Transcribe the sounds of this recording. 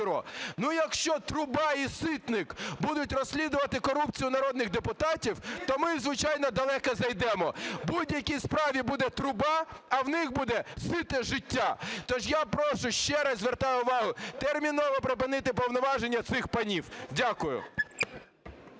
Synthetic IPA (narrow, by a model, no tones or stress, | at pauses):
ɾɔ̰nujɐkʃt͡ʃɔt̪ɾʊbɑisɪt̪nɪkbud̪ʊtʲrɔsʲlʲid̪ʊʋɐt̪ɪkɔɾup̚t͡sʲijʊnɐɾɔd̪nɪɣd̪epʊt̪ɑtʲiwt̪ɔmɪzʋɪt͡ʃɑjnɔd̪ɐlˠɛkɐzɐjd̪ɛmɔbudʲjɐkʲispɾɑʋʲibud̪ɛt̪ɾʊbɑɐwnɪxbud̪ɛsɪt̪eʒɪtʲːat̪ɔʒjapɾɔʃʊʃt͡ʃɛɾɐzʲzʲʋert̪ajʊʋɑɦʊt̪ɛrmʲinɔʋɔpɾep̬ɪnɪt̪ɪp̬ɔwnɔʋɑʒenʲːɐt̪sɪxpɐnʲiwdʲakʊjʊ̰